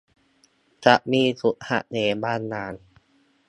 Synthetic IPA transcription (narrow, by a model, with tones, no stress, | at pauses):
t͡ɕa˨˩ʔmiː˧˥˩su˨˩t̪̚ha̰˧˩ʔneː˨˦baː˥˩˨nːaː˨˧˥n